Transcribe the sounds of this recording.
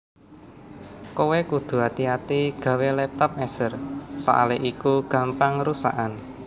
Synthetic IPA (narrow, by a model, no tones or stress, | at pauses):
kowekud̪̥ṳat̪iat̪iɡ̥ä̤welɛp̚t̪ɔp̚mɛsərsa̰ʔa̰leʔikuɡ̥a̤mpaŋɾusa̰ʔan